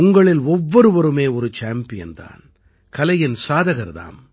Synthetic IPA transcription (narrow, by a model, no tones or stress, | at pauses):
ʊŋɡɐɭɪlɔʋːɔɾɯʋɐɾɯmeːɔɾɯt͡ʃaːmpɪjɐ̰nd̪a̰ːn | kɐlɐjɪnsaːðɐɣɐɾða̰ːm